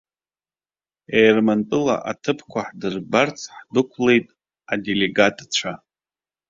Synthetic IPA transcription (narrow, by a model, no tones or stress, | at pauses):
ejrmantʼɨla̰ʔa̰tʰɨpʰkʷʰaħdɨrbart͡sʰħbɨkʷʰle̞jtʼ | adele̞ɡatʰt͡ʃʷʰa